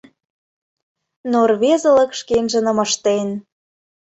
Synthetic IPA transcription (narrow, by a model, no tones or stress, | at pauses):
norβezə̆lə̆kʃkenʒə̆nə̆mɤ̆ʃt̪en